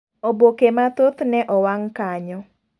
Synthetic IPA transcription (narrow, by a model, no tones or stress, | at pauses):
obokemat̪ot̪nɛʔɔwaŋkaɲɔ